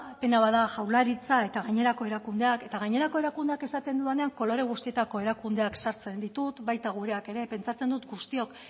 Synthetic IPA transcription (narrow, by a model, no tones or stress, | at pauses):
pe̞naβaðaʝawlaɾit͡sae̞t̪aɣaɲe̞ɾako̞e̞ɾakund̪e̞ake̞t̪aɣaɲe̞ɾako̞e̞ɾakund̪e̞ake̞sat̪e̞nd̪uðane̞aŋko̞lo̞ɾe̞ɣ̞ust̪ie̞t̪ako̞e̞ɾakund̪e̞aksaɾt͡se̞nd̪it̪ut̪bajt̪aɣ̞uɾe̞ake̞ɾe̞pe̞nt͡sat͡se̞nd̪ut̪ɡust̪io̞k